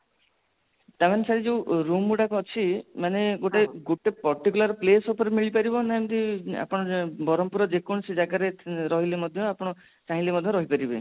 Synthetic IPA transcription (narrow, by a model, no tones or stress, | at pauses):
t̪amanesaɾid͡ʒeũɾumuɽakɔt͡ʃʰimaneɡoʈeɡoʈepɔɾʈikulaɾplesopɔɾemiɭipaɾibɔnamt̪ia̰pɔɽ̃ɔbɔɾɔmpuɾɔd͡ʒekoɽɔsid͡ʒaɡaɾeɾɔɦilemɔd̪ʱjɔapɔɽ̃ɔ | t͡ʃaɦĩlemɔd̪ʱjɔɾɔɦipaɾibe